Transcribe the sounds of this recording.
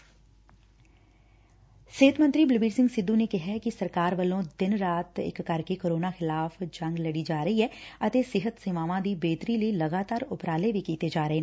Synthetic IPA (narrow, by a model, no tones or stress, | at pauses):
seːt̪mənt̪ɾiːblbiːɖsɪ̃ŋɡsɪd̪ːũneːkɪɦɛkɪsəɾkaːɾʋəlõːd̪ɪnɾaːt̪ɪ̰kːəɾkekoːɾoːnaːxɪlaːfʰd͡ʒə̃ŋɡləɽiːd͡ʒaːɾəiːɦɛːət̪eːsɪɦət̪sɪʋaːʋãːd̪iːbeːt̪ɾiːləiːləɡaːt̪aːɾʊpɾaːleːʋiːkiːt̪eːd͡ʒaːɾəɦeː